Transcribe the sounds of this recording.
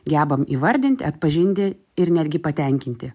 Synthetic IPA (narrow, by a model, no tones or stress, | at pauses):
ɡʲæːbɐmiːʋɐɾʲd̪ʲɪnʲt̪ʲɪ̰ɐt̪pɐʒʲɪnʲt̪ʲɪ | ɪɾnʲæːd̪ʲɡʲɪpɐt̪ʲɛŋʲkʲɪnʲt̪ʲɪ